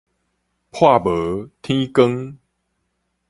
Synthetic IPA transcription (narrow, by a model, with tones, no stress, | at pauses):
pʰwa˥˨bə˨˦t̪ʰĩ˦kə˦ŋ